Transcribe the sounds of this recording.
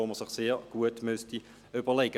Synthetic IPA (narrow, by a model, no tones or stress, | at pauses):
oːməsɪχseːʁɡ̥uətmøsti | ybəlɛɡə